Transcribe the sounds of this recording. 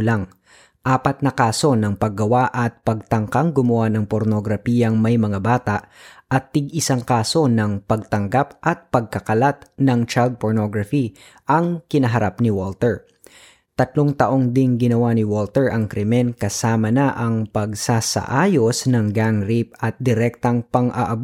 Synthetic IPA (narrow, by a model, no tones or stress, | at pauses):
laŋ | ʔaːpɐt̪̚nɐkaːso̞nɐŋpɐɡːɐwaʔɐt̪̚pɐɡ̚t̪ɐŋkaŋɡʊmʊwanɐŋpoɾnoɡɾɐfiːjɐŋmɐjmɐŋabaːt̪aʔɐt̪̚ːɪɡʔɪsaŋkaːso̞nɐŋpɐɡ̚t̪ɐŋɡapʔɐt̪̚pɐɡ̚kɐkɐlat̪̚nɐŋt͡ʃajld̪̚poɹno̞ɡɾɐfi | ʔɐŋkɪnɐɦɐɾapnɪwolt̪ɛɹ | t̪ɐt̪loŋt̪ɐʔo̞ŋd̪ɪŋɡɪnɐwanɪwolt̪ɛɹʔɐŋkɾɛmɛnkɐsaːmɐnɐʔɐŋpɐɡsasɐ̰ʔaːjo̞snɐŋɡaŋɾip̚ɐt̪̚d̪ɪɾɛk̚t̪ɐŋpɐŋʔɐʔɐb